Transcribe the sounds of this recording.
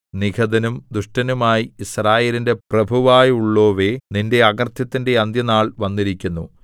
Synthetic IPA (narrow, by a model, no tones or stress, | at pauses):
nikʰɐd̪ɐnumd̪uʂʈɐnumaːjiisraːjeːlinde̞prɐbʱuʋaːjuɭːo̞ːʋe̞ninde̞ɐɡɐrt̪jɐt̪ːinde̞ɐnd̪jɐnaːɭʋɐnːiɾikʲːunːṵ